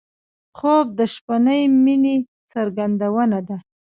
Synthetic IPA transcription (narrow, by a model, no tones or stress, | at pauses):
xob̚d̪əʃpanəjmine | səɾɡand̪awənad̪a